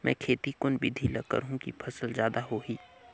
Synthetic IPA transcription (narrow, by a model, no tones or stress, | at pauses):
mʔɛ̃ːkʰeːt̪ikʊnbɪd̪ʱilɐkə̰ɾɦũkḭpʰɐsəlzjaːd̪aɦoɦiː